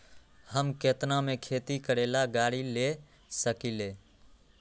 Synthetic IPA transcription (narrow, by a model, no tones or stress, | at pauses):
həmket̪namekʰet̪ikəɾelaɡaɽile | səkile